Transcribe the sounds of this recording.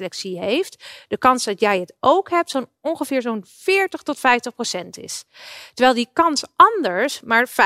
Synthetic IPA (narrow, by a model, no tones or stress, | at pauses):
lɛksiɦejftd̥əkɑnsdɑtjɛjətʔowkɦɛp̚tsonɔnχəvɪːɹzonfɪːɹtəχtɔtfɛjftəχprosɛntɪ̰stəɹʋɛjlˠdikɑnsʔɑndəɹsmaːɹf